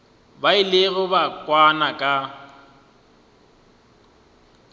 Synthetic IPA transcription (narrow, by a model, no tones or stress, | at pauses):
baɪlɪɣʊbakʼwanakʼa